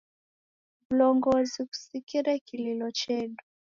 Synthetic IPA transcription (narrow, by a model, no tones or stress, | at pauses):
vulɔŋɡɔziku̥sikiɾakililɔt͡ʃɛɗɔ